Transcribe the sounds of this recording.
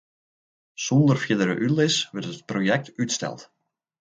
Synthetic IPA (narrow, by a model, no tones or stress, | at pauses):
sɔndərfjɪdəɾə̰ʔylɪsʋɛrtət̚projɛk̚tytstɛ̰lˠt